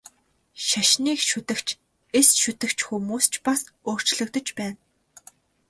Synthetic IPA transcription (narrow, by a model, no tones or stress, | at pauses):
ʃaʃniːkʃut̪ɘ̆kt͡ɕʰ | esʃʊt̪ɘ̆kt͡ɕxumuːst͡ɕpasoːr̥t͡ɕɮɵ̆kt̪ə̆t͡ɕpæːn